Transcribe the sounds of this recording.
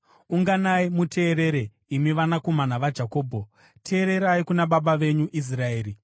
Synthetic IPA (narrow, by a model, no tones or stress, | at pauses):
uŋɡanaimutʰe̞ːɾe̞ɾe | imiʋanako̞manaʋad͡ʒako̞ːbʱo̞ | tʰe̞ːɾe̞ɾaikunaɓaɓaʋe̞ɲuʔis̬rae̞ːɾi